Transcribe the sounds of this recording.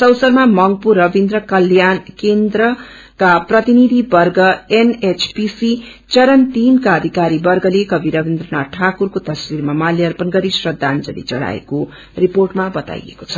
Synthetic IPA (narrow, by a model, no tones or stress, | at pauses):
sʌwsʌrmamʌŋɡ̚purːʌbind̪rʌkʌljankend̪ɾʌ | kaprʌt̪inid̪ʱibʌrɡʌenet͡sʰpisi | t͡sʌɾʌnt̪inkaʌd̪ʱikaɾibʌrɡʌlekʌbiɾʌbind̪rʌnaʈʰakurkot̪ʌswirmamaljiʌrpʌnɡʌɾisrʌd̪ʱːand͡zʌ̰lḭt͡sʌ̰ɽa̰ḛko | riporʈmabʌt̪a̰jḛko̥t͡sʰʌ̥